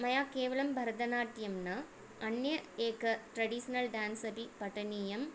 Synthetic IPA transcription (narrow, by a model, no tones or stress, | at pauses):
mɐjaːkeːʋɐɭɐmbʱɐɾɐd̪ɐnaːʈːjɐmnɨ | ɐnjɐeːkːɨʈɾɐɖisɐnɐlɖaːnsɐpipɐʈːɐniːjɐm